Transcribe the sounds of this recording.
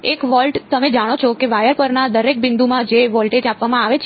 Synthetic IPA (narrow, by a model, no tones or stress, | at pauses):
ekʋɔlʈt̪əmed͡ʒaɽ̃ot͡ʃʰokeʋajəɾpəɾnad̪əɾek̚bɪnd̪umãd͡ʒeʋɔlʈed͡ʒapʋamãaʋet͡ʃʰ